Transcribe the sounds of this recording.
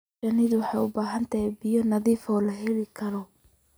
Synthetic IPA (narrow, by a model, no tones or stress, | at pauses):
ɐnɪðʊwħɑjʊbaːɦɐnt̪ʰɐɛbɪjɔnɐðiːfɔːlɐɦɛlɪkʰɐlɔ